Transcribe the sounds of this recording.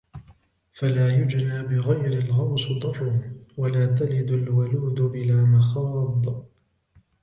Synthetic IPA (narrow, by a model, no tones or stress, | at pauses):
falaːjʊd͡ʒnaːbɪɣajɾɪlɣɑwsd̪ˤɑɾˤʊwalaːt̪alɪd̪ʊlwʊluːd̪ʊbɪlaːmɑxɑːd̪ˤ